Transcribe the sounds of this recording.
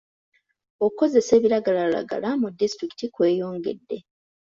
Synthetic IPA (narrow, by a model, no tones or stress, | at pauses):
okuko̞ze̞se̞ːβiɾaɡalala̰ɡa̰lamudːistɾiki̥tikwe̞ːjo̞ːŋɡe̞̰dːe̞